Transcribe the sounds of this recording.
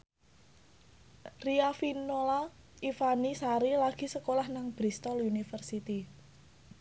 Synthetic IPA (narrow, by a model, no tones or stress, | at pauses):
riafinola | ifanisaɾilaɡ̥i̤səkolahnaŋb̥ɾist̪ɔlunifərsit̪i